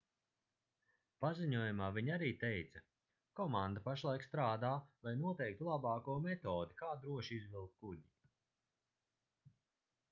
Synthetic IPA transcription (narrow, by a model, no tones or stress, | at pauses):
paziɲuɔjumaːvʲiɲaɾiːt̪ɛjt̪sɐ | kɔmand̪apaʃlˠajkst̪ɾaːd̪aːvajnuɔt̪ɛjk̚t̪ulˠabaːkumɛt̪ɔːd̪ikaːd̪ɾuɔʃizvilˠkt̪̚kuɟi